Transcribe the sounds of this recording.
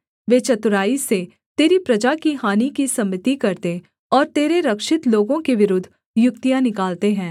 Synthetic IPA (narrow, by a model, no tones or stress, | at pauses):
ʋeːt͡ʃɐt̪ʊɾaːise | t̪eːɾipɾɐd͡ʒakiɦaːnikisɐmːɪt̪ikɐɾt̪e | ɔːɾt̪eːɾeɾɐkʃɪt̪loːɡõkeʋɪɾʊd̪ʱː | jʊkt̪ijãnɪkaːlt̪eɦɛ̃ː